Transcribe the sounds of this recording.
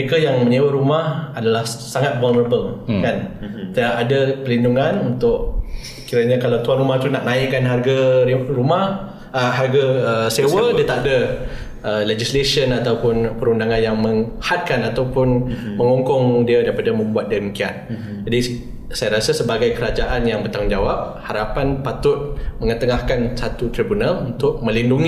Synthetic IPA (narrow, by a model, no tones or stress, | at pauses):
əɾekajaŋmə̃ɲewaɾumahadalahsaŋat̪̚valnəɾəbəlkan | t̪əaʔadapəlinduŋanunt̪ʊʔ | kiɾəɲakalawt̪uanrumaht̪unaʔnãiʔkanɦarɡaɾumah | əɦarɡaəsewədiət̪aʔda | əled͡ʒislesiənat̪awpʊnpəɾundaŋanjaŋməŋhat̪̚kanat̪awpʊnməŋɔŋkɔŋdiədajpadamə̃mbuat̪̚diməkiat̪̚ | d͡ʒadi | sajaɾasasəbaɡajkəɾad͡ʒaʔanjaŋbət̪aŋd͡ʒawap̚ | haɾapanpat̪ʊt̪̚mə̃ŋət̪əŋahkansat̪ut̪ɾibunalunt̪ʊʔ̚mə̃linduŋi